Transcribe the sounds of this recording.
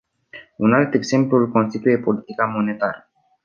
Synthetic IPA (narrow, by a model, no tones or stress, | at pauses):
unalt̪e̞ɡze̞mplulko̞nst̪it̪uje̞po̞lit̪ikamo̞ne̞t̪aɾə